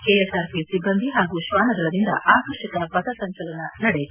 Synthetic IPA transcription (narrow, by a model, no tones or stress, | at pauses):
keːesaːɾpisibːɐnd̪ʱiɦaːɡuʃʋaːnɐd̪ɐɭɐd̪ind̪ɐ̰ʔaːkɐɾʃikɐpɐt̪ɐsɐɲt͡ʃɐlɐnɐnɐɽej